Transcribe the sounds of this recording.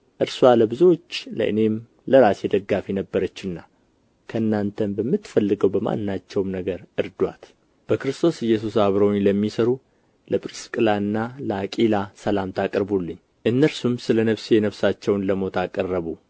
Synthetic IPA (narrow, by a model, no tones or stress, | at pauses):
ʔɨɾswaləbɨzo̞t͡ʃːlə̰ʔɨ̰ne̞m | ləɾasjɛd̪əɡːafinəbːəɾət͡ʃːɨnːa | kʰəɨnːant̪ʰənbəmːɨt̪fəlːɨɡəwbəma̰nːat͡ʃːɛwmnəɡəɾʔɨɾd̪wat̪ | b̥əkɾɨst̪ʼʰo̞sɨjːɛs̬usaβɾowɲləmːisəɾu | ləpʼɾɨskʼɨlaɨnːaləakʼilasəlamt̪ʰakʼəɾbulːɨɲː | ʔɨnːəɾsumsɨlənəβsɛnəβsat͡ʃːɛwnləmo̞t̪ʰakʼərːəβu